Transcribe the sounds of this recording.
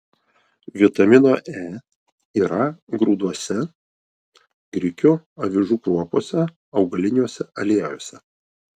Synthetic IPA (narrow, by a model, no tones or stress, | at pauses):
ʋʲɪt̪ɐmʲɪnoːʔɛː | iːɾɐɡɾuːd̪uɔsʲɛ | ɡɾʲɪkʲuːɐʋʲɪʒuːkɾuɔpoːsʲɛ | ɒʊɡɐlʲɪnʲjuɔsʲɛʔɐlʲiːɛjoːsʲɛ